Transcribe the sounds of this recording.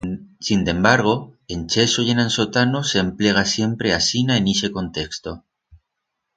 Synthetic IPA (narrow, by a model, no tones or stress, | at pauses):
sind̪e̞mbaɾɣ̞o̞ent͡ʃesoʝenãnso̞t̪anosemple̞ɣ̞asje̞mpɾe̞asinaenise̞ko̞nt̪e̞kst̪o